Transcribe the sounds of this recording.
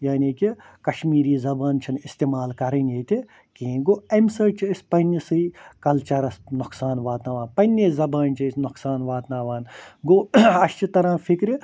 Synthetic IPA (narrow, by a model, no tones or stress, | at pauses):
jaːniki | kɐʃmiːɾiːzɐbaːnt͡ʃʰɐnist̪eːmaːlkɐɾɐnjeːt̪ʲi | kĩːɡoːɐmsɐt͡ʃispɐnisɨikɐlt͡ʃɐɾɐsnʊksaːnʋaːt̪naːʋaːnpɐnʲːezɐbaːnt͡ʃʰisnʊksaːnʋaːt̪naːʋaːnɡoɐʃt͡ʃit̪ɐɾãːfʰikɾi